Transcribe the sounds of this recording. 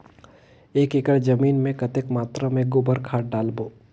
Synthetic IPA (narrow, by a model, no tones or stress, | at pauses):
eːkekəɽd͡ʒɐmiːnmẽkɐt̪ekmaːt̪ɾamẽɡʊbəɾkʰaːʈɖaːlboː